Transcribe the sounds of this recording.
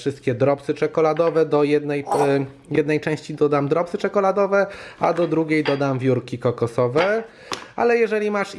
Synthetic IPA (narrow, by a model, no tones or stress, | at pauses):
fʂɘst̪̚kʲɛd̪ɾɔpsɘt͡ʂɛkɔlad̪ɔvɛd̪ɔjɛd̪nɛj | jɛd̪nɛjt͡ʂɛ̃w̃ɕt͡ɕid̪ɔd̪amd̪ɾɔpsɘt͡ʂɛkɔlad̪ɔvɛa̰d̪ɔd̪ɾuɡʲejd̪ɔd̪amvʲjuɾkʲikɔkɔsɔvɛ | a̰lɛjɛʐɛlʲimaʂ